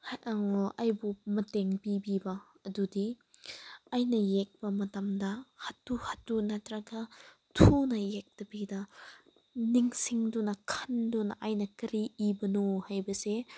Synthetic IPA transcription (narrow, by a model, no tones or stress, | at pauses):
hŋʔajbumɐteŋbibibɐ | ɐdudi | ajnɐjek̚bɐmɐtɐmdɐhatːuhatːunatɾaɡɐ | tʰunɐjek̚tɐbidɐ | niŋsiŋdɔnɐkʰandɔnɐ̰ʔajnɐkɐɾiibɐnohajbɐse